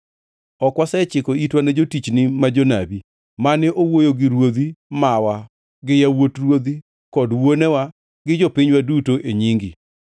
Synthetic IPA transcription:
ɔkwasaɛt͡ʃɪkoitwanɛd͡ʒotit͡ʃnɪmad͡ʒona̰bi | manɛʔowojoɡɪɾwod̪imawa | ɡɪjawotrwod̪i | kɔdwonɛwa | ɡɪd͡ʒopiɲwadutoʔeɲiŋɡi

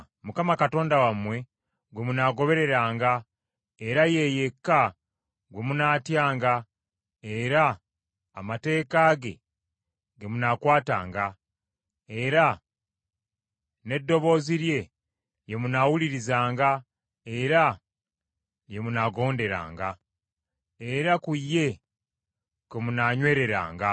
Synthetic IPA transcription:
mukamakato̞ːndawamwe̞ | ɡwe̞munaːɡo̞βe̞ɾe̞ɾaːŋɡa | e̞ɾaje̞je̞kːa | ɡwe̞munaːtjaːŋɡa | e̞ɾaː | mate̞ːkaːɡe̞̰ | ɡemunakwaːta̰ːŋɡa | e̞ɾa | ne̞dːo̞βo̞ːziɾje̞ | je̞munawuliɾizaːŋɡa | e̞ɾa | jemunaɡo̞ːnde̞ɾa̰ːŋɡa | e̞ɾakujːe̞ | komunaɲwe̞ːɾe̞ɾa̰ːŋɡa

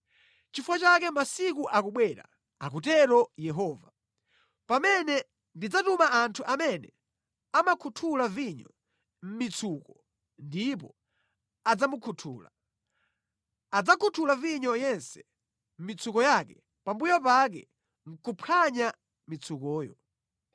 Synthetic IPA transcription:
t͡ʃifwat͡ʃakɛmasik̬uʔakuɓwɛɾa̰ | ak̬utɛɾɔjɛɦɔːva | pamɛnɛ | ndid͡zatumaʔantʰuʔamɛnɛ | amakʰutʰulaviɲɔ̰ | m̩mit͡sʰukɔ | ndip̬ɔ | ad͡zamukʰutʰṵːla̰ | ad͡zakʰutʰulaviɲɔjɛnsɛ̥ | m̩mit͡sukɔjakɛ | pambujɔpak̬ɛ̰ | ŋ̩kupʰaɲa | mit͡sʰukɔːjɔ̰

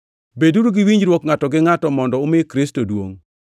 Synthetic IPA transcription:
beduɾuɡɪwiɲd͡ʒɾwɔkŋatɔɡɪŋatɔmɔndɔʊmɪkɾistodwo̰ŋ

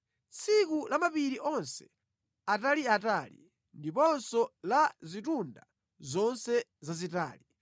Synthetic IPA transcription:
t͡sʰikulamapiɾiʔɔnsɛ̥ | ataliataːlḭ | ndipɔnsɔlazitunda | zɔnsɛzazita̰ːli

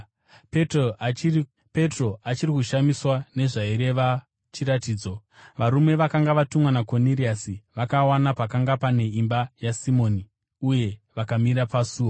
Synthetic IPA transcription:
pe̞tro̞at͡ʃirikuʃamiswane̞ʐaiɾe̞ʋa | t͡ʃiɾatiːd͡zo̞ | ʋaɾume̞ʋakaŋɡaʋatumwanakoniriasiʋakawanapakaŋɡapane̞imbajasimo̞ni | uje̞ʋakamiɾapasuːwo

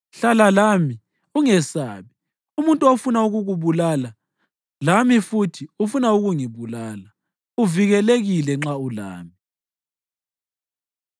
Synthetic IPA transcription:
ɬalalami | uŋɛsaːβi | umuntʼuofunauɣuɣuβulaːla | lamifutʰiufunauɣuŋiβulaːla | uviɣɛleɣilɛŋ͡ǁaula̰ːmi

